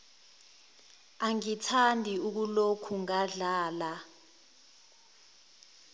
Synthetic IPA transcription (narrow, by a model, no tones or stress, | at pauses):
aŋitʰandʱiuk̬ulokʰuŋaɮaːla